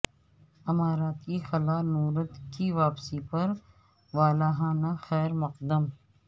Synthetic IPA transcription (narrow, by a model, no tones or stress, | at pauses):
ɪmaːɾaːt̪kixɐlaːnuːɾət̪kiʋaːpsipɐɾ | ʋaːlaːɦãːnaxɛːɾmɐqd̪əm